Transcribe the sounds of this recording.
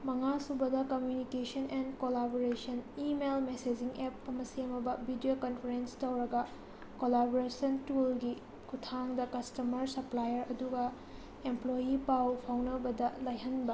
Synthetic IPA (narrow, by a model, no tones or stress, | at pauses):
mɐŋasubɐdɐkɐmjunikesɐnenkolaboɾesɐnimelmesed͡ʒiŋep̚ɐmɐseɐmɐbɐbʱidiokɐnpʰɐɾenstɐwɾɐɡɐ | kolaboɾesɐntulɡi | kʰutʰaŋdɐkɐstɐmɐɾsɐplajɐɾɐduɡɐ | emplojipawpʰawnɐbɐdɐlajɦɐnbɐ